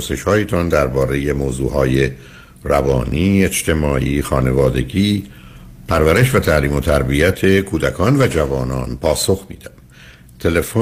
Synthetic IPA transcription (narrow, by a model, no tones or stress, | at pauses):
se̞ʃhɒːjet̪ʰɒnd̪æɾbɒːɾe̞je̞moːzṵːɦɒːje | rævɒ̰ːniːe̞t͡ʃt̪ʰe̞mɒːʔiːxɒːne̞vɒːd̪e̞̰ɟiː | pʰæɾvæɾe̞ʃvæt̪ʰæliːmo̞t̪ʰæɾbiæt̪ʰe̞kʰuːd̪ækʰɒːnvæd͡ʒævɒːnɒːnpʰɒːso̞xmḭːd̪̥æm | t̪ʰe̞le̞fo